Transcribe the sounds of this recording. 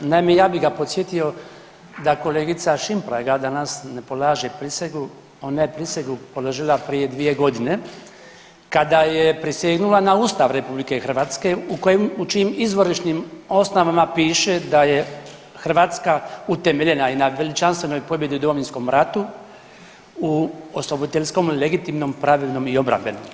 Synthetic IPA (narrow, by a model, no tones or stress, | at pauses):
namejaːbiɦɡapo̞t̪sjet̪io̞ | d̪ako̞leːɡit̪saʃimpɾa̰ːɡad̪anasne̞po̞laːʒepɾiseɡu | o̞najepɾisʋeɡupo̞lo̞ʒilapɾijed̪ʋije̞ɡo̞d̪ine̞ | kad̪ajepɾisjeɡnulˠanauːst̪aʋɾe̞publike̞xr̩ʋaːt̪ske̞ukojemut͡ʃimizʋo̞ɾiʃnimo̞snoʋamapiːʃe̞d̪aje | xr̩ʋaːt̪skaut̪e̞meʎe̞nainaʋe̞lit͡ʃanst̪ʋeno̞jpo̞bje̞d̪iud̪omoʋinsko̞mɾat̪u | uoslˠobod̪it̪eʎʲsko̞mle̞ɡit̪imno̞mpɾaʋilno̞mio̞bɾa̰mbe̞̰nom